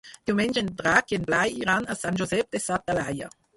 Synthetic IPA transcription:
d̪̥iwmɛnd͡ʒend̪ɾakienblajiɾanasand͡ʒozɛp̚d̪esat̪̚ːalaja̰

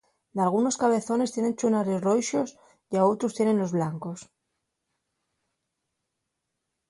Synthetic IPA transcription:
d̪alɣ̞uno̞skaβe̞θo̞ne̞st̪je̞nẽ̞nt͡ʃunaɾezrojʃo̞s | jao̞t̪ɾost̪je̞ne̞nlozβlaŋko̞s

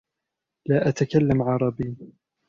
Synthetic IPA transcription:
laːʔat̪akalːamʕɑɾˤɑbiː

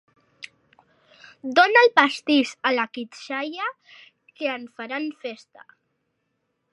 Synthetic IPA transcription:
d̪onaəlˠpast̪iʃəlakit̪ʃaja | keəɱfaɾanfest̪a̰

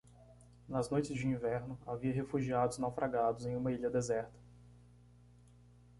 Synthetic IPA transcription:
nɐznojt͡ʃɪzd͡ʒɪĩvɛɾnʊaviɐɦefuʒiad̪ʊznawfɾʔaɡad̪ʊzẽj̃ũmɐiʎɐd̪ezɛɾt̪ɐ̥

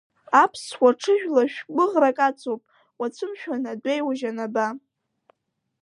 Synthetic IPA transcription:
apʰswaʈ͡ʂʰɨʒᶣlaʃᶣbɨʁrakʼat͡sʰʼowpʼ | wat͡sʷʰɨmʃᶣanadejwaʒanaba

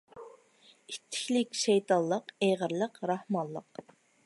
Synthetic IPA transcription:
it̪ʰːɪ̥kʲlɪkʲʃejt̪ʰɑllˠəqeʁəɾlˠəqɾɑhmɑnllˠəq

